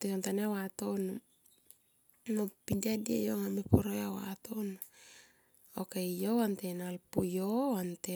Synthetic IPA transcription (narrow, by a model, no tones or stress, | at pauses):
tesontaneawatonu | mopindiadia̰joŋamepʰoɾojawa̰tonu | okejoantenalpujoante